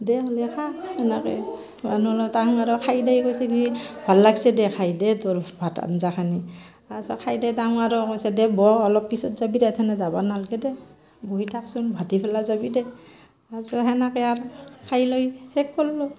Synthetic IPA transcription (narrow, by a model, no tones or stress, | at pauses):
dɛɔlɛkʰahɛnakɛ̰ | manulɔtaŋaɾɔkʰajdejkojsɛkiibʱalːaɡsɛdɛkʰajdɛtɔɹbʱata̰nzakʰani | asɔkʰajdɛtaŋaɾɔkojsɛdɛbɔɔlɔpːisɔtzabidɛtʰɛnazabanalɡɛdɛ | boitʰaksunbʱatipʰɛlazabidɛ | asɔɦɛnakɛaɾkʰajlojhɛk̚pɔllɔ